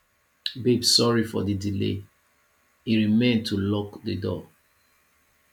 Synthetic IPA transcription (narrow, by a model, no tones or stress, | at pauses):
bibsɔɹifɔ̰didilḛ | hiɹimẽntʰulɔkdədɔ